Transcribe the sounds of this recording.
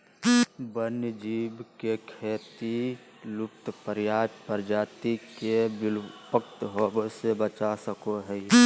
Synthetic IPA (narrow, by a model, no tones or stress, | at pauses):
bənjd͡ʒiːbkekʰeːt̪i | lʊp̚t̪pəɾjaːpəɾd͡ʒaːt̪ikebɪpək̚t̪ɦobsebət͡ʃasəkoɦɛi